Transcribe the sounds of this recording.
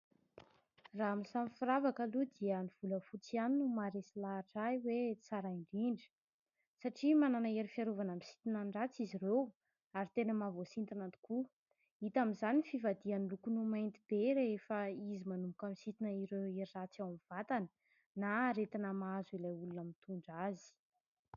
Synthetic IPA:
raamisamifiɾavakəlud̪iəniv̥uləfut͡sianinumaɾesilaːʈ͡ʂajwet͡saɾaiɳɖ͡ʐiɳɖ͡ʐi̥ | saʈ͡ʂimananaeɾifiaɾovanamisi̥t̪inaɳɖ͡ʐat͡siziɾew | aɾit̪enəmavosint̪anant̪i̥ku | it̪aminzanifivad̪ianilukunumajnt̪ib̥eɾeefaizimanumukamisit̪inəiɾeeɾirat͡sawamiv̥at̪anə̥ | naːɾet̪inəmazuilajulunamint̪uɳɖ͡ʐazi̥

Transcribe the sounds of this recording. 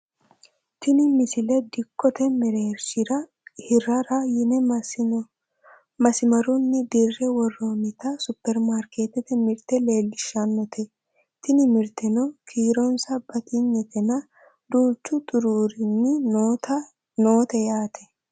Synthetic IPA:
t̪ɪnɪmɪsɪlɛd̪ɪkːɔt̪ɛmɛɾeːɾʃɪɾɐ | hɪɾɐɾɐjɪnɛ | mɐsɪmɐɾʊnːɪd̪ɪrːɛwɔrːɔnɪt̪ɐsʊpːɛɾmaɾkeːt̪ɛt̪ɛmɪɾt̪ɛle̞ːlːɪʃːɐnːɔt̪ʰɛ | t̪ɪnɪmɪɾt̪ɛnɔkʰiːɾɔnsɐb̥ɐt̪ɪɲːɛt̪ɛnɐ | d̪uːt͡ʃːʊt̪ʼʊɾuːɾɪnːɪtɐ | noːt̪ɛjaːt̪ʰɛ̥

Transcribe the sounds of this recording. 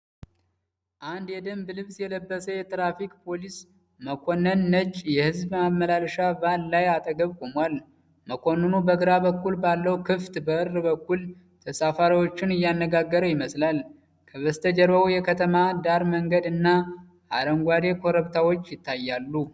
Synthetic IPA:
ʔand̪jɛd̪əmbɨlɨβsjɛləbːəsəjɛt̪ɾafikʼpʰo̞lis | məkʰo̞nːənːət͡ʃʼjɛhɨzbmamːəlalʃavalːajat̪ʼəɡəβkʼomwal | məkʰo̞nːənubəɡɨɾabəkːulbalːəwkʰɨft̪bəʔɨɾːbəkːul | t̪ʰəsafaɾiwo̞t͡ʃːɪnɨjːanːəɡaɡːəɾəwjɪməslal | kʰəβəst̪ʰəd͡ʒəɾβəujɛkʰət̪ʰəmad̪aɾməŋɡəd̪ɨnːa | ʔa̰ɾəŋɡʷad̪e̞kʰo̞ɾəβt̪ʰawo̞t͡ʃːjɪt̪ʰːajːalːu

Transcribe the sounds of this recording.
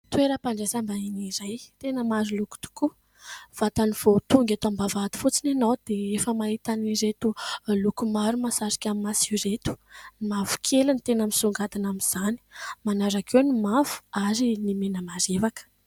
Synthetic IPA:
t̪wueɾəpaɳɖ͡ʐesambainiɾajt̪enəmaɾiluku̥t̪u̥ku | v̥at̪aniv̥ot̪uŋɡʲet̪ambavat̪i̥fut͡sinanowd̪̥eefəmaɦit̪aniɾet̪ulukumaɾumasaɾi̥kʲamimasuɾet̪u̥nimavu̥kʰelunit̪enəmisuŋɡad̪anamiz̥ani̥manaɾakewnimav̥u̥aɾinimenəmaɾevakə̥

